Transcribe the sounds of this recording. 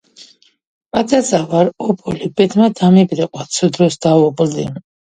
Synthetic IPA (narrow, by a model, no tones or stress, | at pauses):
pʼat̪ʼazʼavaɾɔpʰɔlibɛd̪mad̪amibɾɛqʼwat̪sʰud̪ɾɔsd̪̥avɔpʼld̪ḭ